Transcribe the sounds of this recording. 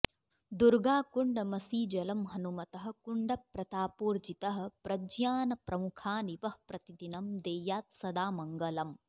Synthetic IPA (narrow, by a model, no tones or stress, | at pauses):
d̪uɾɡaːkuɳɖɐmɐsiːd͡ʒɐlɐmɦɐnumɐt̪ɐɦɐ̆kuɳɖɐpɾɐt̪aːpuːɾd͡ʒit̪ɐɦɐ̆pɾɐd͡ʒjaːnɐpɾɐmukʰaːniʋɐhpɾɐt̪id̪inɐmd̪ejjaːt̪̚sɐd̪aːmɐŋɡɐlɐm